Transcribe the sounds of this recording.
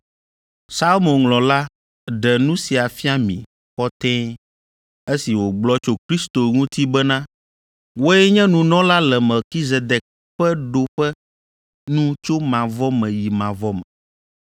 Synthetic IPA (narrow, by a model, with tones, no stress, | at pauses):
sa˦lmõ˨nŋlɔ̃˨la˦ | ɖɛ˨nũ˦si˨a˨fi˦a˦mḭ̃˨ | xɔ˦t̪ɛ̃˦ | e˦si˨wo˨ɡ͡blɔ˦t͡ʃo˦kɾi˦st̪o˨ŋũ˦t̪i˦bɛ˦nã˦ | wo˦ɛ˦ɲɛ̃˦nũ˨nɔ̃˦la˦lɛ˨mɛ˨ki˦ze˨d̪ɛ˨k̚ | ɸɛ˦ɖo˨ɸɛ˦ | nũ˦t͡ʃo˦mã˨vɔ˦mɛ̃˨ji˨mã˨vɔ˦mɛ̃˨